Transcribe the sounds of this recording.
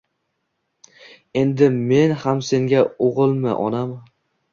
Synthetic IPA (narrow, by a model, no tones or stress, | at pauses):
e̞nd̪ɪme̞nhamse̞ŋɡʲaoʁɨlˠmɪ̰ʔɒnam